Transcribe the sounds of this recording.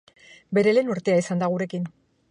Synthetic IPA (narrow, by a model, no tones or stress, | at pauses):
be̞ɾe̞le̞nuɾt̪e̞aisand̪aɣ̞uɾe̞kin